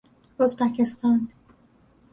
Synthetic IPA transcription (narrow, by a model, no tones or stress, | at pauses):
ozbæcʰest̪ʰɒːn